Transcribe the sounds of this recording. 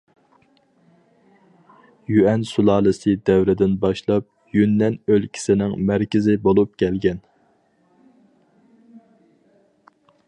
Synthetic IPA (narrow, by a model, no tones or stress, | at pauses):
jyɛnsulˠɑːlˠɨsɨd̪ɛwɾɪd̪ɪnbɑʃlˠɑp̚ | jynːɛnølkʲʰi̥sɪnɪŋmæɾkʲɪzɪbolˠup̚kʲʰɛlɡʲɛn